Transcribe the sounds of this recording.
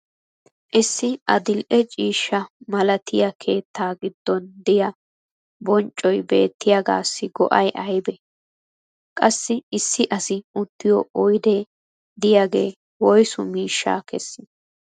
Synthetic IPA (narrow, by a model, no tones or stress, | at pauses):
ʔɪsːɪɐd̪ɪlʔɛt͡ʃʼiːʃːɐmɐlɐt̪ʰɪjɐkʰe̞ːt̪ːaːɡɪd̪ːɔnd̪ɪjɐ | bɔnt͡ʃʼːɔjbe̞̰ːt̪ːɪjaɡa̰ːsːɪɡɔ̰ʔɐjʔɐjbɛ | kʼɐsːɪɪsːɪʔɐsɪʊt̪ːɪjɔʔɔjd̪ɛ | d̪ɪjaɡe̞ː | wɔjsʊmiːʃːa̰ːkɛsːɪ